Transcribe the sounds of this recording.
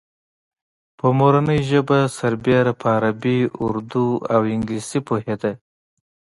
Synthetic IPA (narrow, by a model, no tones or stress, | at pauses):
pəmoɾanəjʒəbasaɾbeɾapʰəaɾabiṵɾd̪uawɪŋɡlisipoɦed̪a